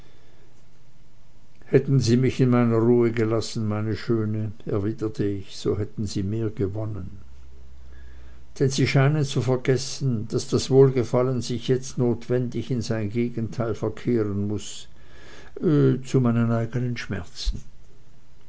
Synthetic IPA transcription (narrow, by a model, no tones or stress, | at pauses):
hɛtn̩ziːmɪçɪnmaɪnɐʁuːəɡəlasn̩maɪnəʃøːnəɛɐviːdətʰəɪçz̥o̰ːhɛtn̩ziːmeːɐɡəvɔnən | d̥ɛnziːʃaɪnənt͡sufɛɐɡɛsn̩d̥asd̥asv̥oːlɡəfalənzɪçjɛt͡stnoːtv̥ɛndɪçɪnzaɪnɡeːɡn̩tʰaɪlfɛɐkʰeːʁənmʊs | t͡sumaɪnənaɪɡənənʃmɛ̰ɐt͡sn̩